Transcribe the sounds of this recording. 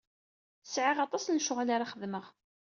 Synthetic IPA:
sʕɪʁɑt̪ˤɑsnʃʊʁlaɾaχəðməʁ

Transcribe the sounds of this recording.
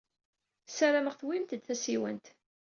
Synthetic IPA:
sæɾaməʁθwimt̪əd̪θæsiwə̰nt̪

